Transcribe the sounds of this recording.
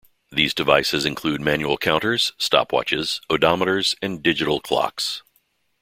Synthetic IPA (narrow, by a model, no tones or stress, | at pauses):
ðizdɨvaɪsɨzɨ̃nkʰl̥ʉd̚mæ̃njul̩ˠkʰãʊ̃ntə˞z̥stɑ̰pʰwɑ̰t͡ʃɪz̥ədɑməɾə˞zɨ̃ndɪd͡ʒɨɾl̩ˠkʰl̥ɑ̰ks